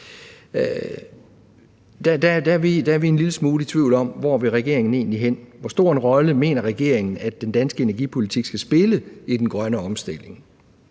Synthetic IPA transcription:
d̥æd̥æd̥æʋid̥ææɐʋie̝nliləsmuːlit͡sʰʋiʊ̰lɒ̽m̰ʋɒ̰ʋe̝ʁɛɡ̥e̝ɐe̝ŋn̩e̝̰ːnliɦen̰ʋɒsd̥o̝ɐ̰enʁɒ̽ləme̝̰ːnɐʁɛɡ̥e̝̰ɐe̝ŋn̩æd̥end̥ænsɡ̥əe̝næɐɡ̥ḭpʰo̝lit͡sʰiɡ̥sɡ̥æsb̥e̝ləid̥enɡ̥ʁɶnəɒ̽msd̥e̝l̰e̝ŋ

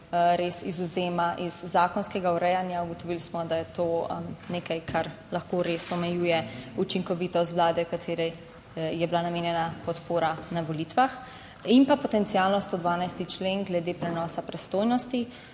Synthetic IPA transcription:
ɾeːsizuzeːmaʔiz̥ːaːkɔnskɛɡauɾɛjanjauɡɔt̪ɔʋilsmɔd̪ajɛt̪oːneːkajkʰaɾlaxkoɾesɔmɛjuːjɛut͡ʃiŋkɔʋiːt̪ɔst̪ʋlaːd̪ɛkat̪ʰeːɾɛ | jɛblanameːnjɛnapɔt̪poːɾanaʋɔliːt̪ʋax | impapɔt̪ɛnt̪siaːlnɔst̪od̪ʋaːnajst̪it͡ʃleŋɡlɛd̪eːpɾɛnɔːsapɾɛst̪oːjnɔst̪i

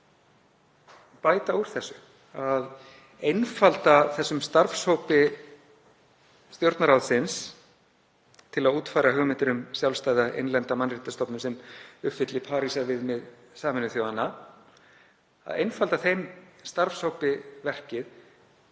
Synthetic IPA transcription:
paːjt̪auɾ̥θɛsːʏ | að | ejnfalt̪aθɛsːʏmst̪aɾfshowpɪ | st̪jowɾt̪naɾawðsɪns | t̪ʰɪlaðuːt̪fajɾaɦʏɣmɪnt̪ɪɾʏmsjawlst̪aːjðaʔḛjnlɛnt̪amanrit̪ast̪ɔpnʏmsɛmʏhfɪt̪lɪpʰaːɾisavɪðmɪð | saːmɪnʏθjoːwðanːa | a̰ðejnfalt̪aθejmst̪aɾfshowpɪvɛr̥cɪð

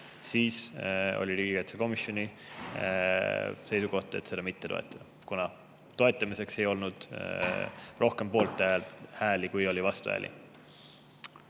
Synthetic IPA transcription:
siːso̞̰lʲiliːɡikɑjt̪seko̞misjo̞nʲi | se̞jsuko̞ht̪e̞t̪se̞d̪ɑmit̪ːet̪o̞ḛt̪ːˑɑd̥̪ | kunɑ | t̪o̞et̪ːˑɑmise̞kse̞jo̞lnud̪̥ | ro̞hke̞mpo̞ːlt̪ːˑælhæːlikujo̞lʲivɑst̪uhæ̰ːlʔḭ

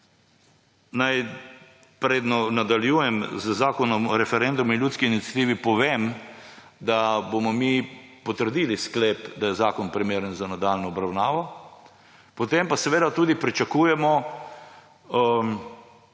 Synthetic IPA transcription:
naj | pɾeːd̪nɔnad̪aljuːjɛmzəzaːkɔnɔmɾɛfɛɾɛnd̪uminljuːt̪skiinit̪sʲjat̪iːʋipɔʋeːm | d̪abomɔmipɔt̪əɾd̪iliskleːpd̪ajɛzaːkɔnpɾimeːɾənzanad̪aːlnɔɔbɾawnaːʋɔ | pɔt̪empasɛʋeːd̪at̪uːd̪ipɾit͡ʃakuːjɛmɔ

